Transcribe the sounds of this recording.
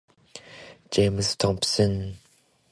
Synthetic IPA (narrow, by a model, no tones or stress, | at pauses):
d͡ʒemst̪ʰɔ̃psən